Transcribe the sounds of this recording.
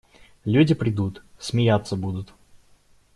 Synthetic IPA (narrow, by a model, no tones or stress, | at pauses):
lʲudʲɪpɾʲɪd̪ut̪sʲmʲɪjat̪sːəbud̪ʊt̪